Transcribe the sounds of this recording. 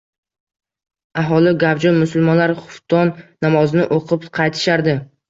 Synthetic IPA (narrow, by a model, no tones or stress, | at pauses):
aɦɒlˠɪɡʲabd͡ʒɒmʊsʊlˠmɒnlaɾχʊft̪ʰɒnːamɒznɪʔoqʰɨpqʰɑjt̪ʰɪ̥ʃaɾd̪ɪ